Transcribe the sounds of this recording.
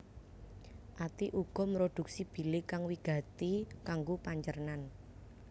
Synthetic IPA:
ʔat̪iʔuɡ̥ɔ̤mɾod̪̥ṳk̚sib̥i̤lɪkaŋwiɡ̥ä̤t̪ikaŋɡopaɲt͡ʃərnan

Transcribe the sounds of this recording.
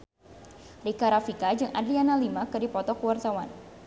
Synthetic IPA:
rikaɾafikad͡ʒɨŋʔa̰dlianalimakɨdipɔt̪ɔkəwart̪awan

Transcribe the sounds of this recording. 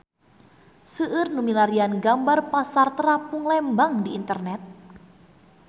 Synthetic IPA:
səʔːrnumilaɾianɡambarpasart̪əɾapuŋlɛmbaŋdiːnt̪ərnɛt̪̚

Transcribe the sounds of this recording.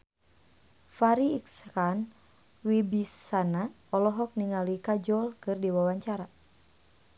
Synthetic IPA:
faɾiːkskan | wibisana | ɔlɔɦɔk̚niŋalikad͡ʒɔlkɨrdiwawaɲt͡ʃaɾa

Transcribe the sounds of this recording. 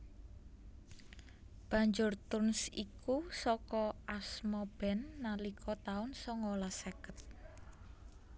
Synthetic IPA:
b̥a̤ɲd͡ʒʊrt̪ʊnsikusɔkɔʔasmɔb̥ɛnːalikʰɔt̪aʊnsɔŋolasekət̪̚

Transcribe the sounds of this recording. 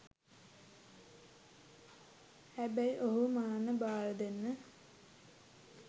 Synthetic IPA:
hæbæiʔoɦumaːnəbaːləd̪enːə

